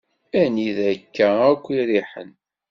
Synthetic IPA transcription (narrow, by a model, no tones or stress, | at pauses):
æniðækːæækʷːiɾiħə̰n